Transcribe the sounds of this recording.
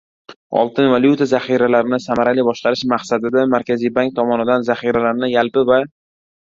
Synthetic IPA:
ɒ̰lˠt̪ʰɪnvaljut̪ʰazaχiɾalaɾɪnɪsamaɾalijbɒʃqɑɾɪʃmaqsad̪ɪd̪amaɾkʲʰazijbaŋk̚t̪ʰɒmɒnɪd̪anzaχijɾalaɾnɪjalpɪva

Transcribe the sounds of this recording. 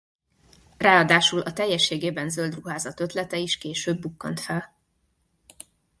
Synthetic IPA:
raːɒd̪aːʃulʔɒt̪ɛjːɛʃːeːɡeːbɛnzøld̪ruɦaːzɒt̪ø̞t̪lɛt̪ɛiʃkeːʃøːbːukːɒnt̪fɛl

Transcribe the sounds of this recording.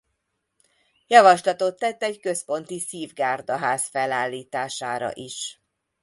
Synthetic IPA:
jɒvɒʃlɒt̪o̞t̪ːɛt̪ːɛɟkøspo̞nt̪isiːvɡaːrd̪ɒɦaːsfɛlaːlːiːt̪aːʃaːɾɒ̰ʔiʃ

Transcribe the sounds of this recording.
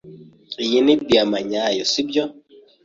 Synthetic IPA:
ijinibiamaɲajɔsibjɔ

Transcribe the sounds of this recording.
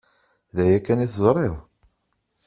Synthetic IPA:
ðæjækːæniθzˤɾˤeðˤ

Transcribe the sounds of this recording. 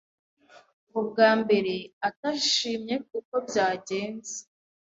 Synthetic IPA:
mubɡaːmbe̞ɾe̞ataʃiːmɲe̞kuko̞bjaːɟe̞ːnze̥

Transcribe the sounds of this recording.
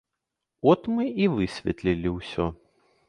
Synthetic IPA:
ɔt̪mɨivɨsʲvʲɛ̰t̪lʲilʲiwsʲɔ

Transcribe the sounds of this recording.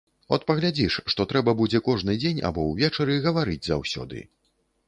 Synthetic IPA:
ɔ̰t̪̚pɐɣlʲad͡zʲiʂːt̪ɔt̪ɾɛbɐbud͡zʲɛkɔʐnɨd͡zʲenʲa̰bɔwvʲɛt͡ʂɐɾɨɣɐvaɾɨd͡zʲza̰wsʲɔ̰d̪ɨ̰

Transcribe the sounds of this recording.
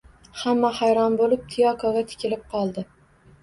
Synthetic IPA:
hamːahajɾɒnbolɪp̚t̪ʰɪjɒkʰɒɡʲat̪ʰɪ̥kʲɪlɪp̚qʰɒlˠd̪ɪ

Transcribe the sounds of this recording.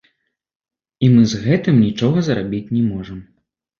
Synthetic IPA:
imɨzɣɛt̪ɨmnʲit͡ʂɔɣɐzɐɾabʲit͡sʲnʲɛmɔʐɐm

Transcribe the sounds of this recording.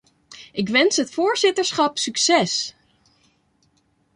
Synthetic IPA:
ʔɪk̬ʋɛnsɦətfoːɹzɪtəɹsχɑpsyksɛs

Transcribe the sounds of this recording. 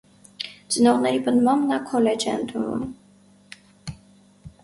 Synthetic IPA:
t͡sənɔʁnɛɾipənd̪mɑmnɑkʰɔlɛt͡ʃʰɛə̰nt̪ʰunvṵm

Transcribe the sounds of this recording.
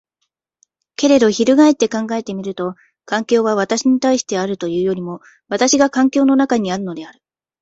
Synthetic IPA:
ke̞ɾe̞d̪o̞çiɾɯ̟ɡae̞t̪ːe̞kãŋɡae̞t̪e̞mʲiɾɯ̟t̪o̞ | kãŋkʲo̞ːβaβ̞at̪aɕiɲ̟it̪aiɕi̥t̪e̞aɾɯ̟t̪o̞jɯ̟ːjo̞ɾʲimo̞ | βat̪aɕiɡakãŋkʲo̞ːno̞nakaɲ̟iaɾɯ̟no̞d̪e̞aɾɯ̟

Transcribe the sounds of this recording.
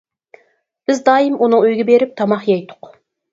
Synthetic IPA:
b̥ɪzd̪ɑːimunɨŋøjɡʲɪbeɾɪp̚t̪ʰɑmɑχjɑjt̪ʰʊ̥q

